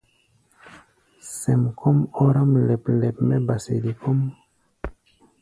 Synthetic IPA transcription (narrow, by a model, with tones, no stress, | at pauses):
se˨mkʰo˦mo˦ɾa˦mlɛ˨ple˨pme˦ba˨se˨di˨ko˦m